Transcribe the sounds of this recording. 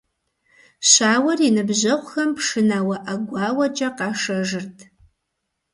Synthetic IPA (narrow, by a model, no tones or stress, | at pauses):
ɕaːwɐrinɨbʑɐqʷxɐmpʂɨnaːwɐʔɐɡʷɑːwɐt͡ʃʼɐqɑːʂɐʐɨrtʰ